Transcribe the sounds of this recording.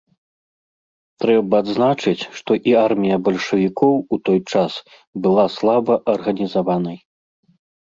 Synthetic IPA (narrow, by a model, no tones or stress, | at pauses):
t̪ɾɛbɐːd̪znat͡ʂɨt͡sʲʂt̪ɔʔiarmʲijɐbɐlʲʂɐvʲikɔwut̪ɔjt͡ʂas | bɨlˠaslˠabɐʔɐrɣɐnʲizavanɐj